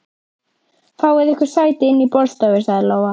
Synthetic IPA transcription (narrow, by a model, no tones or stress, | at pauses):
fawɪðɪhkvʏɾ̥saːjt̪ɪɪnːipɔlst̪avɪsaɣðɪloːwa